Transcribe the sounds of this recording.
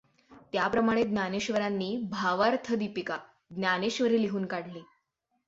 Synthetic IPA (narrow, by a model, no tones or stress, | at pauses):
t̪japɾəmaɽ̃ed̪njaneɕʋəɾanːiːbʱaʋaɾt̪ʰəd̪ipika | ɡ̪njaneɕʋəɾiːliɦuːnkaɽliː